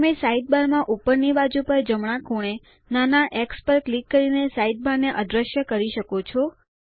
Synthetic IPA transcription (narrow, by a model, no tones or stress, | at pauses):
mesaiʈ̚baɾmãʔupəɾnibad͡ʒupəɾd͡ʒəmɽ̃ãkʰoɽ̃e | nanaʔekspəɾklikːəɾinesaiʈ̚baɾneʔəd̪ɾəʃjəkəɾiʃəkot͡ʃʰɔ